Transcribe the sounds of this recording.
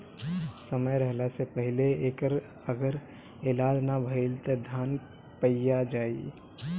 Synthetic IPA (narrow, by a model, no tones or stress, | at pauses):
səməjɾɛɦlasepəɦɪleeːkəɾ | əɡəɾ | ɪlaːd͡ʒnabʱəɪlt̪ed̪ʱaːn | pəjad͡ʒaːḭ